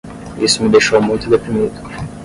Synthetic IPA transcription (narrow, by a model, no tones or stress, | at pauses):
isʊmɪd̪ejʃowmũj̃t̪ʊd̪epɾimid̪ʊ